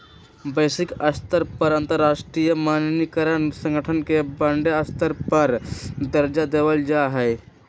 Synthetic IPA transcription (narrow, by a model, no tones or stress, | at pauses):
bəɪsɪkɐst̪əɾpɐɾə̃nt̪əɾːaːʃʈɾijəmaːnnikəɾənsə̃ŋɡʱəʈʰənkebɐ̃ɳɖeɐst̪əɾpɐɾd̪ɐɾd͡ʒad̪eːʋəld͡ʒaːɦɛː